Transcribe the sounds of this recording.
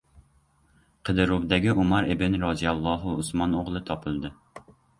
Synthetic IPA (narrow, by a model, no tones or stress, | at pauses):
qʰəd̪ɨɾubd̪ɛɡʲiʔumɑɾɪbɪnɾɑzijɑlˠːɑɦuusmɑnoʁlˠɨt̪ʰɑpʰɨlˠd̪ɨ